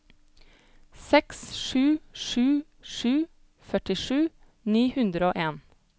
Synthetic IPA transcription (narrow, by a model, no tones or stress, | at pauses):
sɛksʃʉːʃʉː | ʃʉː | fœʈɪʃʉː | niːhʉnd̪ɾəoːʔeːn